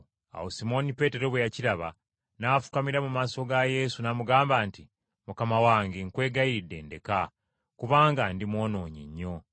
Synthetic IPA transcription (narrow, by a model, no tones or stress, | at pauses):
a̰wosimo̞nipe̞ːte̞ɾo̞βwejaciɾaβa̰ | nafu̥kamiɾamumaːso̞ɡaje̞sunamuɡaːmbaːnti | mukamawaːŋɡeŋkwe̞ːɡajiɾidːe̞̰ːnde̞ka | kuβaːŋɡandimwo̞ːno̞ːɲḭɲːo̞